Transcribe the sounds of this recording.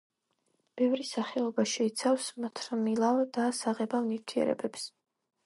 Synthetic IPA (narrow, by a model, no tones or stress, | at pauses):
b̥ɛvɾisaχɛɔbaʃɛit̪sʰafsmat̪ʰɾmilˠavd̪̥asaʁɛbavniɾt̪ʰiɛ̰ɾɛ̰bɛps